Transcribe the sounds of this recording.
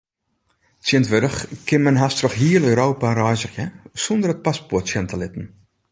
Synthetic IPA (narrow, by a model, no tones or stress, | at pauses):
tiəntʋødəχkɪnmɛnɦastrɔxɦiːəløːɾoːpaɾɔjzəχjəsɔndərət̚paspɔrtsjɛntəlɪtən̩